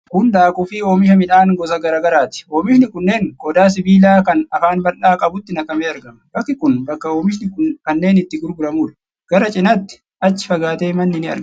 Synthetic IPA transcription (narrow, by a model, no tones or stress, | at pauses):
kʊnd̪aːkʼʊfiːoːmɪʃ̬ɐmɪᶑaːnɡɔs̬ɐɡɐɾaːɡɐɾaːt̪ɪ̥oːmɪʃnɪkʊnːe̞ːŋkɔd̪aːs̬ɪbiːlaːkɐnɐfaːnbɐlːaːkʼɐbʊt̪ːɪnɐkɐmeːɐɾɡɐmɐbɐkːɪkʊnbɐkːɐoːmɪʃ̬nɪkʊkɐnːe̞ːnɪt̪ːɪɡʊɾbʊɾɐmuːᶑɐ̥ | ɡ̥ɐɾɐt͡ʃʼɪnɐt̪ːɪ̥ | ʔɐt͡ʃːɪ̥fɐɡaːt̪eːmɐnːɪnɪɐ̰ɾ